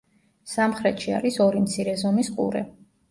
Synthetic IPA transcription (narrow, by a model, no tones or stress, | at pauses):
samχɾɛt̪ʃia̰ɾisɔɾimt̪sʰiɾɛzɔmisqʼṵɾɛ̰